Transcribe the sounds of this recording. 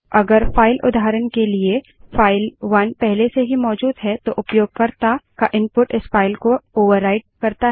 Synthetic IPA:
ɐɡəɾfaːɪlʔʊ̰d̪ʱaːɾənkelie | faːɪlʋɐnpɛɦleseɦimɔːd͡ʒuːd̪ɦɛt̪oʔʊpjoːɡ̚kɐɾt̪akaʔɪ̃mpʊʈɪsfaːɪlkooːʋəɾːaːɪɖ̚kɐɾt̪aɦ

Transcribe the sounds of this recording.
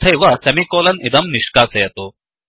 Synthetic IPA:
t̪ʰɐjʋɐsɛmikoːlɐnid̪ɐmniʃkaːsɐjɐt̪oː

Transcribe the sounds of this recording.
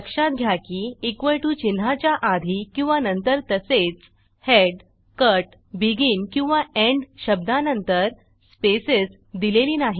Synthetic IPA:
əkʂat̪̚ɡʱjakiikʋəjʈuːt͡ɕinɦat͡ɕjaʔad̪ʱikĩw̃ʋanənt̪əɾt̪əset͡s | heɖ | kəʈ | biɡiːnkĩw̃ʋaeɳɖɕəb̚d̪anənt̪əɾ | speses | d̪ileliːnaɦi

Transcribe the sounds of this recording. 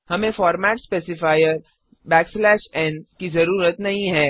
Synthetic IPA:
hɐmẽfɔːɾmɛːʈspeːsɪfaːɪjəɾ | bɛːkslɛːʃɛ̃ːnkizɐɾuːɾət̪nɐɦĩɦɛː

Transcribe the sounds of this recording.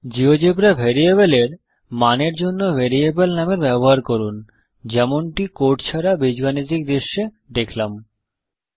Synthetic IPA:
d͡ʑiod͡ʑebɾabʱeɾiebeleɾ | maneɾd͡ʑonːobʱeɾiebelnameɾbɛboɦaɾkoɾun | d͡ʑɛmoɳʈikoʈt͡ɕʰaɾabid͡ʑɡanid͡ʑ̪ikd̪eʃːe | d̪ekʰlam

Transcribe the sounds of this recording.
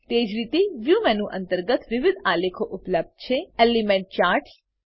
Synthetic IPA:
t̪ed͡ʒɾit̪eʋjumɛnũʔənt̪əɾɡət̪ʋɪʋɪd̪ʱalekʰoʔʊpləb̚d̪̚t͡ʃʰeɛlimẽɳʈ̚t͡ʃaːɾʈʰ

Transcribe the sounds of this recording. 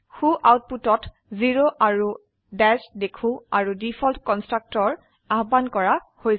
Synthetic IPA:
xuʔawt̚putɔt | ziɹoʔaɹu | dɛsdekʰũaɹudipʰɔltkɔnstɹak̚tɔɹ | aɦbankɔɹahoj

